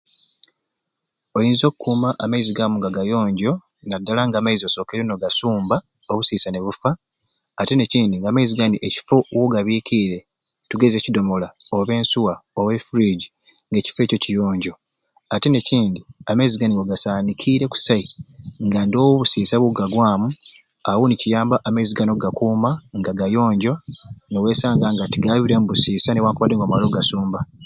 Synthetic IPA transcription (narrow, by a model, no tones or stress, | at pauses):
o̞jiːnzo̞ːkukʰːuːmaʔamaiziɡamuŋɡaɡajo̞ːɲɟo̞ | nadːalaŋɡaːmaizioso̞ːkeɾenoɡasuːmba | oβusiːsane̞βufaː | te̞ne̞ciːndiŋɡaːmaiziɡaniʔeci̥fo̞woɡaβiːkiɾe̞ | tuɡe̞ze̞cido̞mo̞laoβe̞ːnsuwaowe̞fuɾiɟi | ŋɡe̞ːci̥fe̞ːcocijo̞ːɲɟo̞ | ateneciːndiameziɡaniwoɡasaːnikʰiːɾe̞ku̥saiŋɡando̞ːwoβusiːsaβuɡaɡwaːmu | awunicijaːmbaʔːmeziɡano̞ɡakuːmaŋɡaɡajo̞ːɲɟo̞newe̞ːsaːŋɡaŋɡatiɡaβiɾemuβusiːsanewaːkuβadːeŋɡoːmalo̞ɡasuːmba